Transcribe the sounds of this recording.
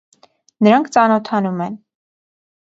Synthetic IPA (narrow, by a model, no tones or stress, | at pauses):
nəɾɑŋkʰt͡sɑnɔt̪ʰɑnumɛn